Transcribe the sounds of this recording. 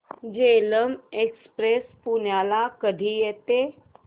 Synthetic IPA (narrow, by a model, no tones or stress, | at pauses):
d͡ʒeːləmekspɾespunjaːlakəɖʱijet̪e